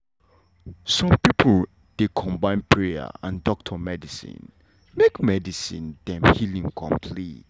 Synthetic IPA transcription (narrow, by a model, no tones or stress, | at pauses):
sɔ̃mpipʰəl | d̥ekʰɔ̃mbãɪ̃npʰɹeə̰ã̰ndɔk̚tʰəmɛdisḭ̃n | mekmɛdisĩndɛ̃mhilĩŋkʰɔ̰̃mpʰlit